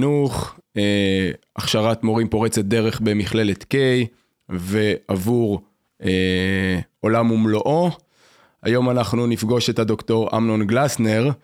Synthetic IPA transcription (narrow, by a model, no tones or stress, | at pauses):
nuχeʔaχʃaʁatmo̞ʁimpo̞ʁet͡se̞t̪̚d̪e̞ʁe̞χbe̞miχle̞le̞t̪ke̞j | ve̞avuʁ | e | o̞lamumloʔo̞ | a̰jo̞manaχnunifɡo̞ʃethado̞kto̞ʁa̰mno̞nɡlasne̞ʁ